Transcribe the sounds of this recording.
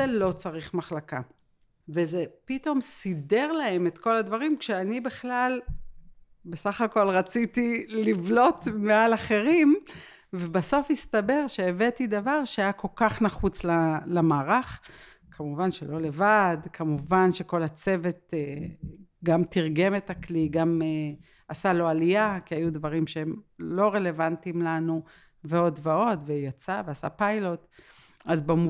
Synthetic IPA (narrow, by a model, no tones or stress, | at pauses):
elo̞t͡saʁiχmaχlaka | vezepito̞mside̞ʁlae̞met̪ko̞lad̪vaʁimkʃeanibeχlal | besaχako̞lʁat͡sit̪ilivlo̞tmealaχe̞ʁim | vebaso̞fist̪abe̞ʁʃeːve̞tid̪avaʁʃeajako̞lkaχnaχut͡slalamaːʁaχ | kʰamuvanʃelo̞le̞vadkʰamuvanʃe̞ko̞lat͡se̞ve̞te | ɡamtiʁɡe̞metakliɡame | asalo̞alijakiajudvaʁimʃeemlo̞ʁe̞le̞vantimlanu | veo̞dveo̞dvejat͡saveasa̰pajlo̞t | azbamu